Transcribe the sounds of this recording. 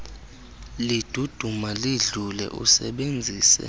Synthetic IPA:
lid̥ʱud̥ʱumaliɮulɛ̰ʔṵsɛɓend͡zʱiːsɛ̰

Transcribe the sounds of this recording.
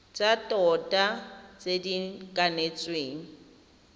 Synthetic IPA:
t͡ʃʼatʼɔtʼat͡sʼedikʼanet͡sʼweːŋ̩

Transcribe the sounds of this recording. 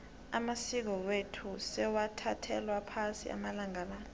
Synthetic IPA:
amasik̬ɔwetʰusɛwatʰatʰɛlwapʰasḭa̰malaŋaːlan

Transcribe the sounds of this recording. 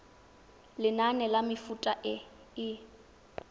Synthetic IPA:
lɪnanɛlamɪfutʼaʔɪ | ɪ

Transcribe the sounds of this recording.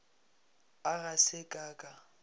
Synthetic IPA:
aɣasɪkʼaːkʼa

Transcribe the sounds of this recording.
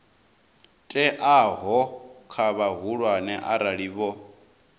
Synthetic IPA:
tʼɛʔaɦɔkʰaβaɦuɺwanɛʔaɾaɺiːβɔ

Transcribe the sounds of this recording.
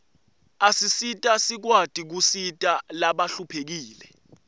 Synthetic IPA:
asisitʼasik̬watʼik̬usitʼalaɓaɬupʰek̬iːlɛ

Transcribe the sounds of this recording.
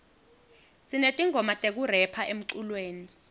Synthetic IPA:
sinetʼiŋʱɔmatʼek̬urɛpʰaʔem̩ǀulweːni

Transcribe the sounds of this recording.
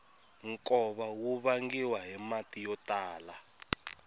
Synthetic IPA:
ŋkʼɔβawuβaŋɡiwaɦɛmatʼijɔtaːla

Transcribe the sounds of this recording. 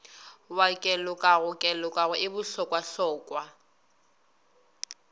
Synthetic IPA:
wakʼɛlʊkʼaɣʊkʼɛlʊkʼaɣʊʔɪbʊɬɔkʼwaɬɔːkʼwa

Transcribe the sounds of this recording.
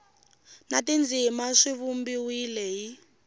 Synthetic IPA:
natind͡zimaʂiβumbiwilɛɦi

